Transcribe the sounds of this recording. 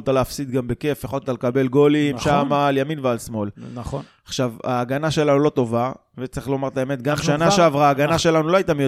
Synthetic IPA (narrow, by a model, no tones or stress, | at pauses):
olt̪aleːfsid̪ɡambe̞ke̞feχolt̪alkabe̞lɡo̞limʃamaːljaminvealsmo̞l | aχʃava̰ːɡanaʃe̞lanulo̞t̪o̞va | vet͡saɐʁiχlo̞maʁt̪ae̞me̞t̪̚ɡamʃʃannaʃʃeavʁaːɡanaʃe̞lanuloajt̪amo